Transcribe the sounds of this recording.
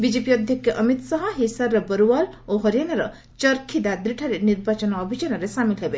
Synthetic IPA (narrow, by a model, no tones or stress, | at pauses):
bid͡ʒepijɔd̪ʱjɔkʰjɔʔʌmit̪sɔɦɔɦisaɾːɔbɔɾuwaloɦɔɾijanaɾɔ | t͡ʃɔɾkʰid̪ad̪ɾiʈʰaɾeniɾbat͡ʃɔnɔːbʱid͡ʒanɔɾesamilɦebe